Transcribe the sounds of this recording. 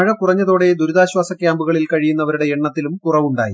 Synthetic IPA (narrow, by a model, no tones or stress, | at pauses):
ɐɻɐkurɐɲːɐðo̞ːɽed̪uɾuðaːɕwaːsɐkʲjaːmbuɣɐɭilkɐɻijunːɐʋɐɾuɽe̞eɳːɐt̪ːilumkurɐʋuɳɖa̰ːjḭ